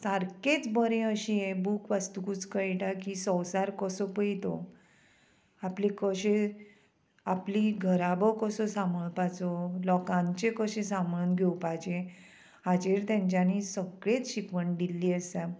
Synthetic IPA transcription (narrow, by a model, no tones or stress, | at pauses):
saɾket͡sbəɾẽəɕiebuːkʋast̪ukut͡skəʈakisɔwsaɾkəsɔpəjit̪ɔ̰ | aplikəɕẽ | apliɡʱəɾabɔkəsɔsaməɭpat͡sɔlɔkãɲt͡ɕekəɕẽsamɭunɡʱewpad͡ʑe | ad͡ʑeɾt̪jãɲt͡ɕjanisəɡɭet͡sɕikʋəɳd̪ilːiːəsa